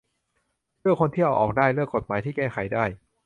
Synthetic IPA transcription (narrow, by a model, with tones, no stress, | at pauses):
ɾɯ˥˩əkʰːo˧nt̪ʰi˥˩wʔɔː˨˩k̚daː˥˩jlɯ˥˩əkːo˨˩t̪̚maː˩˦t̪ʰiː˥˩kɛː˥˩xʰa˩˦jdaː˥˩j